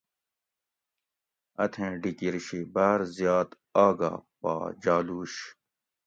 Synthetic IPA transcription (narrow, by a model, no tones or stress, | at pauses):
ɐt̪ʰẽːɖikiɾiɕibaːɾzjaːt̪ | aːɡa̰ːpa̰ːd͡ʑaːluːɕ